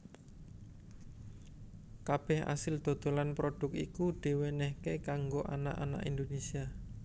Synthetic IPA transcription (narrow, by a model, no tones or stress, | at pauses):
kab̥ɛha̰sɪld̪̥o̤d̪̥o̤lanpɾoɖ̥ʊkikud̪̥i̤wenɛhkekaŋɡoʔa̰na̰ʔa̰na̰ʔind̪onesia